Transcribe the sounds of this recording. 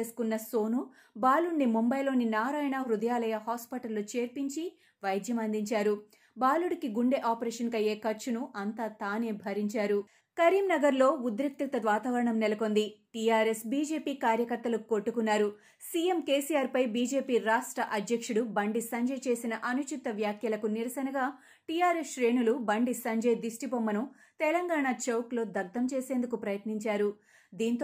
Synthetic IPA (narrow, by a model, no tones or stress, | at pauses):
eskunːɐso̞ːnu | baːluɳːimumbɐjlo̞ːninaːɾaːjɐɳɐɾud̪ɐjaːlɐjɐɦaːspiʈɐlːut͡ʃe̞ːɾpiɲt͡ʃi | ʋɐjd̪jɐmɐnd̪iɲt͡ʃaːɾu | baːluɽikiɡuɳɖe̞ʔaːpɐɾeːʃɐnkɐje̞ːkɐɾt͡ʃunuʔɐnt̪aːt̪aːne̞ːbʱɐɾiɲt͡ʃaːɾu | kɐɾiːmnɐɡɐɾlo̞ːud̪ɾik̚t̪it̪ɐd̪ʋaːt̪ɐʋɐɾɐɳɐmnɛlɐko̞nd̪iʈijaːɾesbiːd͡ʒe̞ːpiːkaːɾjɐkɐɾt̪ɐlukoʈːukunːaːɾu | siːjemke̞ːsiːjaːɾpɐjbiːd͡ʒe̞ːpiːɾaːʂʈɾɐʔɐd̪jɐkʂuɽubɐɳɖisɐɲd͡ʒɐjt͡ʃe̞ːsinɐʔɐnut͡ʃit̪ːɐʋjaːkʰjɐlɐkuniɾɐsɐnɐɡaː | ʈijaːɾesʃɾe̞ːɳulubɐɳɖisɐɲd͡ʒɐjd̪isʈipomːɐnu | t̪ɛlɐŋɡaːɳat͡ʃɐwklo̞ːd̪ɐɡ̚d̪ɐmt͡ʃeːseːnd̪ukupɾɐjɐt̪niɲt͡ʃaːɾu | d̪iːnt̪o